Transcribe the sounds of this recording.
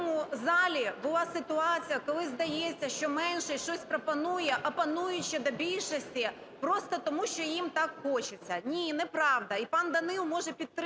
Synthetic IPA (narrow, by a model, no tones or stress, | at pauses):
mʊzɑlʲibʊlˠɑsɪt̪ʊɑt͡sʲijɐkɔlˠɪzd̪ɐjet͡sʲːɐʃt͡ʃɔmɛnʃɛʃt͡ʃɔsʲpɾɔpɐnujɛʔɐpɐnujʊt͡ʃːɪd̪ɐbʲilʲʃɔsʲtʲi | pɾost̪ɐt̪ɔmuʃt͡ʃɔjimt̪ɑkxot͡ʃɪt͡sʲːɐnʲinɛpɾɑʋd̪ɐipɑnd̪ɐnɪlmɔʒɛpʲit̪̚t̪ɾ